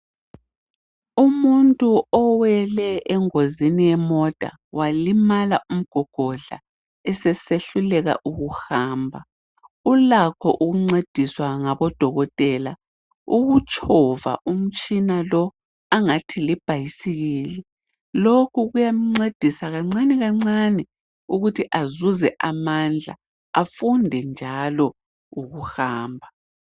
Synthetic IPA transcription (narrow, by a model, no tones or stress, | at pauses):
umuntʼuɔwɛlɛʔɛŋozinijɛmɔd̥ʱa̰ | walimalaʔum̩ɡ̥ʱɔɡ̥ʱɔɮa̰ | ɛsɛseɬulɛɣa̰ʔuɣuhaːmbʱa | ulakʰɔʔuɣuŋ͡ǀed̥ʱiswaŋaβɔd̥ʱɔɣɔtʼɛla | uɣut͡ʃʼʰɔva̰ʔum̩t͡ʃʼinalɔ | aŋatʰilib̥ʱajisiɣiːli | lokʰuɣujam̩ŋ͡ǀed̥ʱisaɣaŋ͡ǀanɛɣaŋ͡ǀanɛ | uɣutʰiʔazuzɛʔamand͡ɮʱa̰ | afundʱɛnd͡ʒʱalɔ | uɣuhaːmbʱa